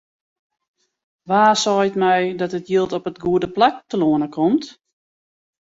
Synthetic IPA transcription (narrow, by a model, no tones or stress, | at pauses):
ʋaːsɔjtmɛjdɔtətjiəlˠtɔpətɡuədəplak̚təloənəkʰɔmt